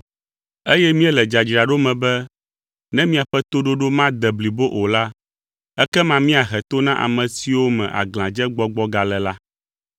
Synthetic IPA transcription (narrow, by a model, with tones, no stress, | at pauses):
e˦jɛ˦mĩ˦ɛ˦lɛ˨d͡ʒa˨d͡ʒɾa˨ɖo˦mɛ̃˨bɛ˦ | nɛ̃˦mĩ˦a˨ɸɛ˦t̪o˦ɖo˦ɖo˦mã˦d̪ɛ˨bli˨bo˦ʔo˨la˦ | ɛ˦kɛ˦mã˨mĩ˦a˨ɦɛ˨t̪o˦nã˦ʔa̰˨mɛ̃˨si˨wo˦mɛ̰̃˨ʔa̰˨ɡlã˨d͡ʒɛ˦ɡ͡bɔ˦ɡ͡bɔ˦ɡa˨lɛ˨la˦